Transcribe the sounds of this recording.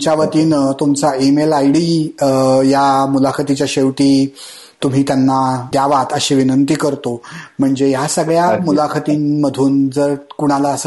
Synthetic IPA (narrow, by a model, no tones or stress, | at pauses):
t͡ɕjaʋət̪iːnt̪umt͡saemelajɽiː | jamulakʰət̪it͡ɕjaɕeʋʈ̪iː | t̪um̤iːt̪janːad̪jaʋat̪əɕeʋinənt̪iːkəɾt̪om̤əɳd͡zejasəɡɭjamulakʰət̪iːmmːəd̪ʱuːnd͡zəɾkuɽ̃alaəs